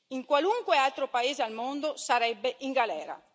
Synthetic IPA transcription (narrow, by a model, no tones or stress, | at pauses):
iŋkwaluŋkwealt̪ɾopaeːzealmond̪osaɾɛbːeʔiŋɡalɛːɾa̰